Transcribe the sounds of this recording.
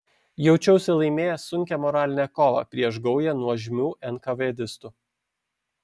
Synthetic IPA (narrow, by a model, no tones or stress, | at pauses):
jɛʊt͡ʃʲɛʊsʲɛlˠɐɪmʲeːjɛsʊŋʲkʲɛmɔɾɑːlʲɪnʲɛkoːʋɑ̰pʲɾʲiɛʃɡɐʊjɛnuɔʒʲmʲuːʔɛnkɐʋed̪ʲɪst̪ʊ